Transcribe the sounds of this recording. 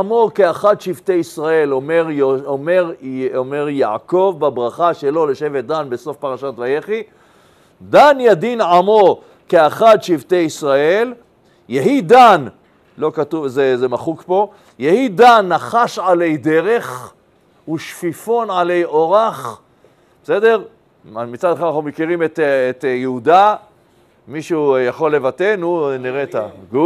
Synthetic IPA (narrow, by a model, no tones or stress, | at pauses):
amokeaχad̪ʃivt̪ejisʁae̞lomeʁomeʁomeʁjaʕko̞vbabʁaχaʃelo̞leʃevet̪̚d̪anbeso̞fpaʁaʃat̪vajeχi | d̪anjad̪inʕamo | keaχad̪ʃivt̪ejisʁae̞l | jeɦid̪an | lo̞kat̪uvzezemaχukpo̞ | jehid̪anːaχaʃʕalejd̪e̞ʁe̞χ | uʃfifo̞nʕalejʔo̞ʁaχ | be̥se̞d̪e̞ʁ | amit͡sadχalnaχumekiʁimet̪et̪jehud̪a | miʃujaχo̞lːe̞vat̪enuniʁet̪aɡu